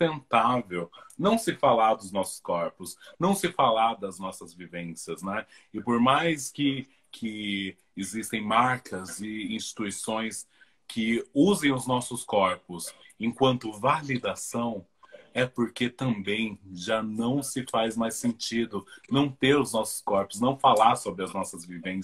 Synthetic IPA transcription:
t̪ẽnt̪avewnɐ̃w̃sɪfalaɾd̪ʊznɔsʊ̥skɔɾpʊsnɐ̃w̃sɪfalaɾd̪ɐznɔsɐzvivẽsiɐznɛ | ɪpoɾmajskɪ | kʰɪ | ɪzist̪ẽj̃maɾkʰɐzɪĩst͡ʃi̥t̪uisõj̃s | kʰɪuzẽj̃ʊznɔsʊskɔɾpʊsẽkwɐ̃nt̪ʊvalid̪asɐ̃w̃ | ɛpoɾket̪ɐ̃mbẽj̃ʒanɐ̃w̃sɪfajzmajsẽnt͡ʃid̪ʊnɐ̃w̃t̪eɾʊznɔsʊ̥skɔɾpʊ̥znɐ̃w̃falaɾsobɾɪɐznɔsɐzvivẽ

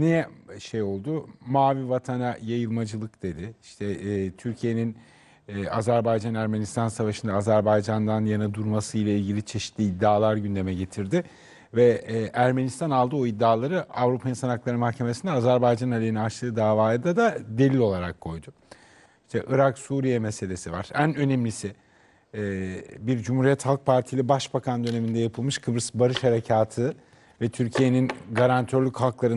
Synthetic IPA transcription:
nijɛʃe̞jo̞lˠd̪ʊmaːvivat̪ʰanajajɯlˠmad͡ʒɯlˠɯkd̪̥e̞d̪ɪiʃt̪ʰɛːt̪ʰyɾcʰije̞ninː | a̰zæɾbajd͡ʒanæɾme̞nist̪ʰansavaʃɯnd̪aːzæɾbajd͡ʒand̪anjanad̪uɾmasɯjlʲˠailʲɟilʲit͡ʃʰe̞ʃi̥t̪lʲiːd̪ːaːlˠaɾɟynd̪e̞mɛɟe̞t̪ʰiɾd̪ɪ | vɛːʔæɾme̞nist̪ʰanalˠd̪ɯo̞id̪ːaːlˠaɾɯavɾupʰajɯnsanaklˠaɾɯmahcʰe̞me̞sind̪ɛːzæɾbajd͡ʒanalʲeinat͡ʃlˠɯːd̪aːvaːjd̪ad̪ad̪e̞lʲilʲo̞lˠaɾakʰːo̞jd̪ʊ | iʃt̪ʰɛʔɯɾaksuːɾijɛmese̞lʲe̞siva̰ɾ̥ænø̞nɛmlʲisɪ | biɾd͡ʒumhuːɾijɛt̪halˠk̚pʰaɾt̪ʰijlʲɛbaʃbakʰand̪ø̞ne̞mind̪ɛjapʰɯlˠmɯʃkʰɯbɾɯsbaɾɯʃhaɾe̞cʰaːt̪ʰɯ | vɛt̪ʰyɾcʰije̞ninɡaɾant̪ʰøɾlʲychalˠklˠaɾɯ

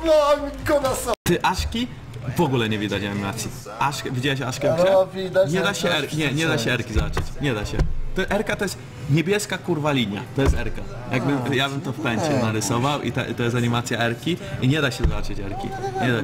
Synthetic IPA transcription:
nɔikɔnasɔt̪ɘʔaʂkʲi | vɔɡulɛɲɛvʲid̪at͡ɕaɲimat̪sʲji | ʔaʂkvʲid͡ʑawɛɕaʂkɛmɡɛvʲid̪aɲɛd̪aɕɛɛɾɲɛɲɛd̪aɕɛɛɾkʲizabat͡ʂɨt͡ɕɲɛd̪aɕɛt̪ɔʔɛɾkat̪ɔjɛst̪ | ɲɛbʲjɛskakuɾvalʲiɲa̰t̪ɔjɛst̪ɛɾka | jaɡbɘjabɘmt̪ɔfpɛɲt͡ɕɛnaɾɘsɔvawʔḭt̪ɛ̰t̪ɔjɛst̪aɲimat̪sʲjaɛɾkʲiiɲɛd̪aɕɛzabat͡ʂɨt͡ɕɛ̰ɾkʲḭɲɛd̪a

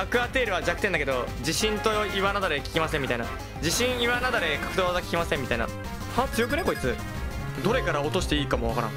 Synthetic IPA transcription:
akɯ̟at̪e̞ːɾɯ̟βad͡ʑakɯ̟̥end̪ake̞d̪o̞d͡ʑiɕĩnt̪oiβanad̪aɾekʲi̥kʲimasẽmʲːit̪aina | d͡ʑiɕĩɰ̃iβanad̪aɾe̞kḁkɯ̥d̪oːzakʲkʲimasẽmːit̪aina̰ | hat͡sɨjo̞k̬ɯ̟ne̞ko̞it͡sɨ | d̪o̞ɾe̞kaɾaot̪o̞ɕi̥t̪eiːkamo̞βakaɾã̰ŋ

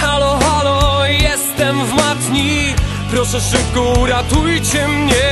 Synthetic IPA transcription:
halɔhalɔjɛst̪ɛmvmat̪ɲi | pɾɔʂɛfʂɨpkɔuɾat̪ujt͡ɕɛmɲɛ

